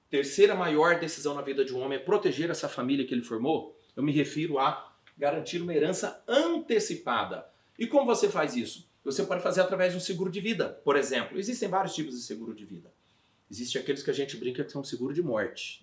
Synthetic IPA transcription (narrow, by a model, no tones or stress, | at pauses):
t̪eɾsejɾɐmajɔɾd̪esizɐ̃w̃nɐvid̪ɐd͡ʒɪ̃ũõmẽj̃apɾot̪eʒeɾɛsɐfamiliɐkɪelɪfoɾmo | ewmɪɦefiɾʊɐ | ɡaɾɐ̃nt͡ʃiɾũmɐeɾɐ̃sɐɐ̃nt̪esipa̰d̪ɐ̰ | ɪkõmʊvosefazisʊ̥ | vosepɔd͡ʒɪfazeɾat̪ɾavɛzd̪ʊseɡuɾʊd͡ʒɪvid̪ɐpoɾezẽmplʊezist̪ẽj̃vaɾjʊst͡ʃipʊzd͡ʒɪseɡuɾʊd͡ʒɪvḭd̪ɐ | ezistt͡ʃɪ̃akelɪskɪaʒẽnt͡ʃɪbɾĩŋkɐkɪ̥sɐ̃w̃seɡuɾʊd͡ʒɪmɔɾt͡ʃɪ̥